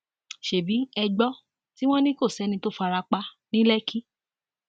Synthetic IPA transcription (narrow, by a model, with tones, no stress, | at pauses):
ʃe˨bi˨˦ɛ˧ɡ͡bɔ˦ | ti˦w̃ɔ̃˦nĩ˦ko˦˨sɛ˨˦nĩ˧to˦fa˧ɾa˧k͡pa˧˦nĩ˦lɛ˦kʰi˦